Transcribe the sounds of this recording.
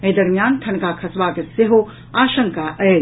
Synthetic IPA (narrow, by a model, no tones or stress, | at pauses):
eːd̪ɐɾmijaːnt̪ʰɐnkaːkʰɐsʋaːkeseɦo | aːʃɐ̃ŋkaʔɛː